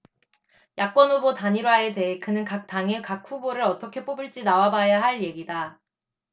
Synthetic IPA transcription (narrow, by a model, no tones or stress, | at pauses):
jak̚k͈wʌnubotaɲiɾoɦaede̞ekɯnɯnkak̚t͈aŋekak̚ʰuboɾɯɾʌt͈ʌkʰe̞p͈obɯɭt͡ɕ͈inawabajaɦaɭje̞ɡida